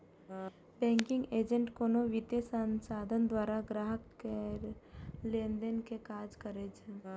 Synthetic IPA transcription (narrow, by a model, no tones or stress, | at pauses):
bɛ̃ːŋkɪ̃ŋɡeːd͡ʒə̃ɳʈkoːnoʋɪt̪jəsənsaːd̪ʱənd̪waːɾaɡɾaːɦəke | lẽnd̪ənkekaːd͡ʒkəɾet͡ʃʰe